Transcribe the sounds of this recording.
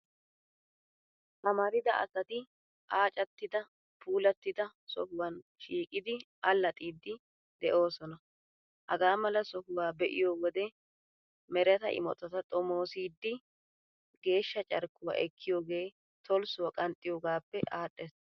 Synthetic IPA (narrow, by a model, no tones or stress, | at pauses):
ʔɐmɐɾɪd̪ɐʔɐ̰sɐt̪ɪ | ʔaːt͡ʃʼɐt̪ːɪd̪ɐ | pʰuːlɐt̪ːɪd̪ɐsɔ̰fʊwɐnʃiːkʼɪd̪ɪ | ɐlːɐt̪ʼiːd̪ːɪ | d̪ɛʔo̞ːsɔnɐ | hɐɡaːmɐlɐsɔfʊwaːbɛʔɪjoːwɔd̪ɛ | mɛɾɛt̪ɐ̰ʔɪ̰mɔ̰t̪ɐt̪ɐt̪ʼɔmo̞ːsiːd̪ːɪ | ɡe̞ːʃːɐt͡ʃʼɐɾkːʊwa̰ːʔɛkʰːɪjoːɡe̞ː | t̪ʰɔlsʊwɐkʼɐnt̪ʼːɪjoːɡaːpːɛʔaːɗːɛs